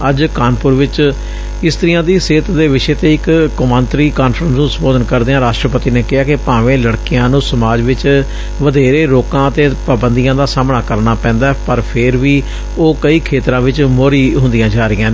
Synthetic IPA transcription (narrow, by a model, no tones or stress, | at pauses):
əd͡ʒkaːnpʊɾʋɪt͡ʃ | ɪst̪əɾɪjãːd̪iːseːt̪d̪eːʋɪʃeːt̪eːɪkkːʊmãːnt̪ɾiːkaːnfʰɾənsnũːsəmboːd̪ənkəɾd̪eːãːɾaːʃʈɾəpət̪iːneːkɪɦaːkɪpãːʋẽːləɽkɪjãːnũːsəmaːd͡ʒʋɪt͡ʃ | ʋəd̪eːɾeːɾoːkãːət̪eːpəbənd̪ijãːd̪aːsaːmɳaːkəɾnaːpɛ̃ːnd̪aːɛpəɾpʰɪɾʋiː | oːkəiːkʰeːt̪ɾãːʋɪt͡ʃmoːɾiːɦʊ̃nd̪ɪjãːd͡ʒaːɾɪjãːne